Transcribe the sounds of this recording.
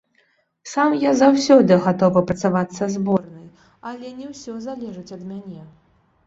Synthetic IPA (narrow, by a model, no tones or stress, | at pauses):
samjazawsʲɔd̪ɨɣat̪ɔvɐpɾɐt̪savat̪sːɐzbɔrnɨj | ɐlʲɛnʲɛwsʲɔzalʲɛʐɨt͡sʲɐd̪mʲanʲɛ